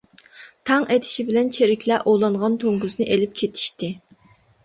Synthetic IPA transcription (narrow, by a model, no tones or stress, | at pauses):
t̪ʰɑŋʔet̪ʰɪ̥ʃibɪlɛnt͡ʃʰeɾɪkʲʰlɛʔolˠɑɴʁɑnt̪ʰoŋɡuznɨʔelɪp̚kʲʰet̪ʰi̥ʃt̪ɪ